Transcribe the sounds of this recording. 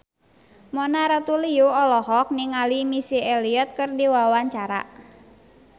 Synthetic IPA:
mɔnaɾət̪uliuɔlɔhɔk̚niŋalimisieliət̪̚kɨrdiwawaɲt͡ʃaɾa̰

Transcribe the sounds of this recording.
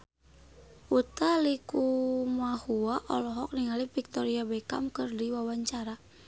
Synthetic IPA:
ʔut̪alikumahuaʔɔlɔɦɔk̚niŋalifik̚t̪ɔɾiabɛka̰mkɨrdiwawaɲt͡ʃaɾa

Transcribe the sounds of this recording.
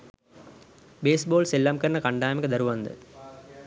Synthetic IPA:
beːsboːlselːamkɐɾnɐkɐɳɖaːmɐkəd̪ɐɾuʋɐnd̪ə̰

